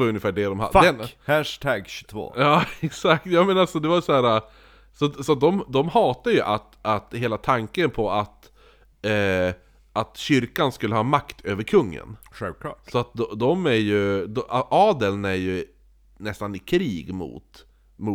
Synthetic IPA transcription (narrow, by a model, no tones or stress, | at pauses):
vajɵnːɪfæːɖɛd̪ɔmha̰fd̪ɛhæʂt̪ʰæɡɕɵ̥t̪ʰvo̰ːjɑːɛksak̚t̪jɑːmɛnalsɔd̪ɛvasɔhæːɾa | sɔsɔat̪̚d̪ɔmd̪ɔmhɑːt̪ajɵʔat̪at̪heːlat̪ʰaŋkənpʰɔat̪ː | ʔat̪ɕʏɾkanskɵlːəhɑːmakt̪ʰøːvəɾkʰɵŋːə̰nɧɛlvkʰlɑ̰ːsɔat̪̚d̪ɔd̪ɔmæɾjɵd̪ʔɑːd̪ɛlnæɾjɵ | nɛst̪anɪkʰɾiːɡmʊ̰t̪ | mu